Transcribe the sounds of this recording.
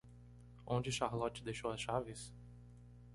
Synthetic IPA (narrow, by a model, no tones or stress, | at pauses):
õd͡ʒɪʃaɾlɔt͡ʃɪd̪ejʃowɐsʃavɪs